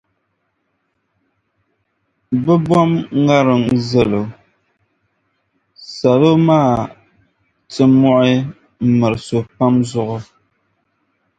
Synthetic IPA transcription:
bɨ˦bwɔ˦mŋa˦ɾɨ˨ŋzɛ˦lo˨ | sa˨lo˦maː˦˨ | tɨ˦mɔ˦ʔɪ˦ | m̩˦mɨ˨ɾɨ˨so˨pa˦mzʊ˦ʔʊ˦

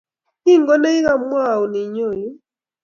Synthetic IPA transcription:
i˦ŋɡɔ˦nɛ˦i˦ɣa˨mwa˦˨u˨ni˨ɲɔ˦˨jɔ˦

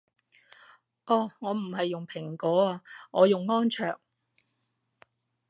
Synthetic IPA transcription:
ʔɔː˧˩ŋɔː˨˧m̩˨˩hɐ˨jːʊ˨ŋpʰɪ˨˩ŋkɔː˨˥aː˧ŋɔː˨˧jʊ˨ŋːɔː˥nt͡ʃʰœː˨˩ŋ̚

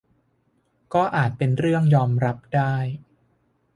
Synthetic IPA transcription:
kɔː˥˩ʔaː˨˩t̪̚pe˧nɾɯ˥˩əŋjɔː˧mɾa˦˥p̚daː˥˩j

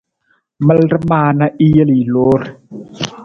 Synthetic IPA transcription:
ma˦lɾa˦maː˧na˧ʔi˦a˦li˨loː˦ɾ

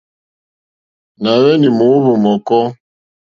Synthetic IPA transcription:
na˨wɛ˦ni˨mu˨˦βu˨mɔ˨kɔ˦

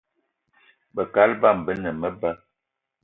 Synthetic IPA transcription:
bə˨ka˦lba˦˨mbə˦nə˨mə˦bə˦

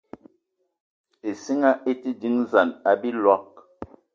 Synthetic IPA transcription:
e˨si˦ŋa˦ʔe˦ti˦di˨˦ŋza˨na˨bi˦lwa˦k̚

